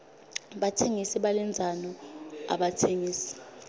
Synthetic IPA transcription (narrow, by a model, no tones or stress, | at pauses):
ɓatʰeŋisiɓalɛnd͡zʱanɔa̰ɓatʰeŋiːsi̥